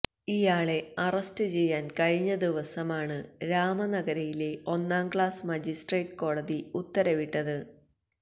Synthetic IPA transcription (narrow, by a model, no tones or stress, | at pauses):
ijaːɭe̞ɐrɐstɨt͡ɕe̞jːaːnkɐɻiɲːɐd̪iʋɐsɐmaːɳɨɾaːmɐnɐɡɐɾɐjileo̞nːaːmɡɭaːsmɐd͡ʑisʈreːʈko̞ːɽɐðiut̪ːɐɾɐʋiʈːɐðɨ